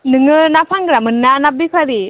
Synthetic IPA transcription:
nɯŋɯnapʰaŋɡɾamɯnːanap̚bikʰaɾi

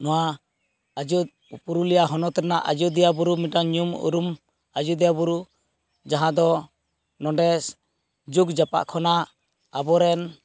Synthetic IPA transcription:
nɔwa | ad͡ʒu | puɾulijaɦɔnɔt̪ɾɛnaʔad͡ʒud̪ɛjabuɾumiʈaɲumṵɾum | ad͡ʒud̪ɛjabuɾu | d͡ʒaɦãd̪ɔ | nɔ̃ɖɛs | d͡ʒuɡd͡ʒapa̰ʔkʰɔna | abɔɾɛn

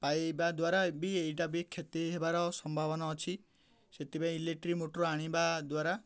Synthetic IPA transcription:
pajbad̪waɾabiejʈabikʰːet̪iɦebaɾɔsɔmbʱabɔnɔːt͡ʃʰi | set̪ibãileʈɾimoʈɾoaɽ̃ibad̪waɾa

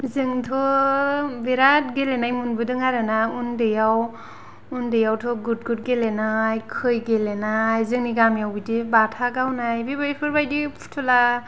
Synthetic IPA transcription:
zɯŋtʰɔ | beɾat̚ɡelenajmunbɯdɯŋaɾɯnaundɯjaw | undɯjawtʰɔɡud̚ɡut̚ɡelenajkʰɯjɡelenajzɯŋniɡamjawbidibatʰaɡawnajbibapʰɯɾbajdipʰu̥tʰɔla

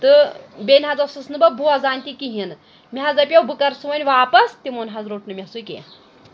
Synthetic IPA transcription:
t̪ɨbenʲɦad͡zɐsɨsnɨbɐbʱuɐd͡zanʲt̪ikiɦin | miɦad͡zɐpʲjewbʱɨkɐɾsuʋɐnʲʋaːpɐst̪imonɦazɾoːʈnɨmʲiɐsujkḛ

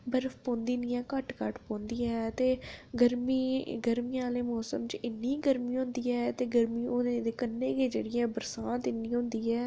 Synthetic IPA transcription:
bəɾfpõːnd̪iːnĩːɛ̃ːkəʈkəʈpõːnd̪iːɛːt̪eːɡəɾmiːɡəɾmiãːleːmɔːsəmt͡ʃɪnːĩːɡəɾmĩːɦʊ̃nd̪iːɛːt̪eːɡəɾmiːonẽːd̪eːkənːeːɡeːd͡ʒeːɽiːɛ̃ːbəɾsaːt̪ɪnːĩːɦʊ̃nd̪iːɛː

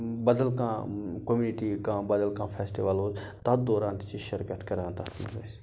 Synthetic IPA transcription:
bɐd̪əlkã̰ːkomjuːniʈiːkãːbɐd̪əlkãːfʰeːsʈiʋaloː | t̪ad̪oːɾãːnt̪t͡ʃiːʃəɾkət̪kɐɾaːnt̪asmɐ̰ɾɐ̰s

